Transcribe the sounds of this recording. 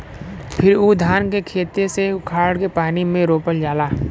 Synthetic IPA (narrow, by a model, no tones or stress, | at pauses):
pʰɪɾuːd̪ʱaːnkekʰeːt̪eseʊkʰaːɽkepaːnimẽɾoːpəld͡ʒaːlaː